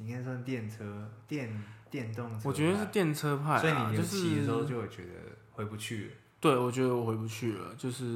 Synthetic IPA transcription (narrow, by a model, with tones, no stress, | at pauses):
i˨˩kʰa˥˩sʰã˥˧t̪jɛ˥˨˩nt͡sʰə˥t̪jɛ˥˨nt̪jɛ˥˧nt̪ʊ˥˨ŋʰwɛ˧˦d̪ə˧˥ʂ̩˥˩t̪jɛ˥˨˩nt͡sʰɤ˥pʰa˥˩ɪsi˨ni˨˩jo˥˧ʂɻ̩ʰ˥i˧d̪ə˧o˥˧ʊt͡ɕjo˥˩ʊjo˨˩t͡ɕɥɛ̰˧˦d̪ə̰˧xwe˧˥ɪpu˧t͡ɕʰy˥˩lə˩ | t̪we˥˩ɪwɔ˨˩t͡ɕɥɛ˥d̪ə˧wɔ˨˩xwe˧˥ɪp̬u˧t͡ɕʰy˥˩lə̰˩t͡ɕjo˥˧ʊʂɻ̩˥˩